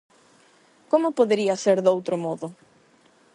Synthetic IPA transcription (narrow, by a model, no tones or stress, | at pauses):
komʊpoðeɾiɐseɾðowt̪ɾʊmɔðʊ